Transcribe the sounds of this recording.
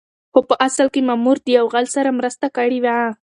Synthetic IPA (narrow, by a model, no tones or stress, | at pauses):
xopəʔasəlkemamuɾd̪əjawɣalsaɾamɾəst̪akaɽiwaa